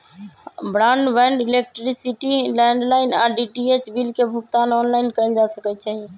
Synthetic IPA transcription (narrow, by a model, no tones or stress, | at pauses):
bɾaɳɖbɛ̃ɳɖilek̚ʈɾisiʈilɛɳɖlainaɖiʈiet͡ʃbilkebʱukt̪anɔnlaɪnkəɪld͡ʒasəkɛt͡ʃʰɛ